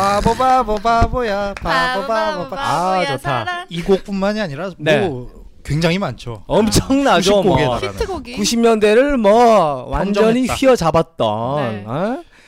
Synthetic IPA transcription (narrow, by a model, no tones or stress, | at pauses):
pabobabʌbabojapabobaboaat͡ɕotʰaiɡok̚p͈unmaɲiaɲiɾaneo | kweŋd͡ʑaŋimant͡ɕʰoʌmt͡ɕʰʌŋnaɕd͡ʑomkoɡeakuɕʰimɲʌnde̞ɾɯɭmwʌwʔannd͡ʑd͡ʑʌɲiɸɥiʌd͡ʑabat̚t͈ʌ̰na